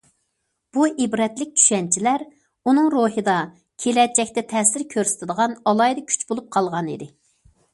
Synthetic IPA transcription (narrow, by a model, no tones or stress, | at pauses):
b̥uʔibɾɛt̪lɪk̚ʲt͡ʃʰy̥ʃɛnt͡ʃʰilæɾ | unɨŋɾoɦɨd̪ɑ | kʲʰelɛt͡ʃɛkʲt̪ɛt̪ʰɛsɪɾkʲʰøɾsɪ̥t̪ʰɪd̪əʁɑnɑlˠɑjd̪ɑkʲʰy̥t͡ʃbolˠup̚qʰɑlˠʁɑnḭd̪ɪ